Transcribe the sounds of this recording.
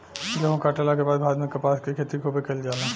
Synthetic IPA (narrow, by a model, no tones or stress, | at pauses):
d͡ʒɐɦõkaʈəlakebaːd̪bʱaːd̪mẽkɐpaːskekʰeːt̪ikobekeld͡ʒaːna